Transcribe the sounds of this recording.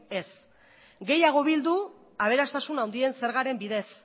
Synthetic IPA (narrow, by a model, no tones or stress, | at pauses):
e̞s | ɡe̞jaɣ̞o̞βild̪u | aβ̞e̞ɾast̪asunawnd̪ie̞nse̞ɾɣaɾe̞mbiðe̞s